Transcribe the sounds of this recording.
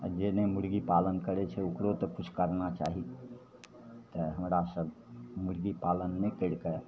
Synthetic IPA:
d͡ʒenemuɽɡipalənkəɾɛt͡ʃʰɛukɾot̪əkut͡ʃʰkəɾnat͡ʃa̰ɦi | t̪əɦəmɾasəb | muɽɡipalənːekəɽkə

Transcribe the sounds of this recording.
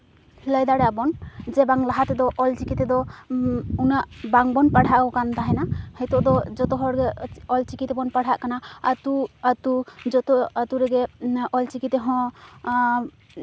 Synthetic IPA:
ləjd̪aɽabɔnd͡ʒɛbaŋlaɦat̪ɛd̪ɔʔɔlt͡ʃikit̪ɛd̪ɔ | unaʔbaŋbɔnpaɽ̤ʱaʔkɔkand̪aɦɛnahəjt̪ɔʔd̪ɔd͡ʒɔt̪ɔɦɔɽɡɛɔlt͡ʃikit̪ɛbɔnpaɽ̤ʱaʔkanaat̪uat̪ud͡ʒɔt̪ɔat̪uɾɛɡɛʔɔlt͡ʃikit̪ɛɦɔ̃

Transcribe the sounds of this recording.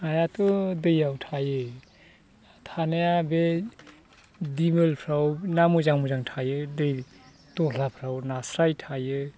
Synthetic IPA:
ajatʰudɯjawtʰajɯ | tʰanajabe | dimɯlpʰɾawnamuzaŋmuzaŋtʰajɯdɯj | tɔlapʰɾawnasɾajtʰajɯ

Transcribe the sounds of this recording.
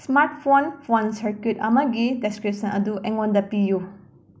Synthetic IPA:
smaɾtpʰonpʰonsɐɾkitɐmɐɡideskɾip̚sɐnɐduʔɛŋondɐpiju

